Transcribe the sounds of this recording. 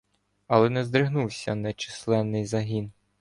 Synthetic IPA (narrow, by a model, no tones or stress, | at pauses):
ɐlˠɛnɛzd̪ɾɪɦnuwsʲɐnɛt͡ʃi̥slˠɛnːɪjzɐɦʲin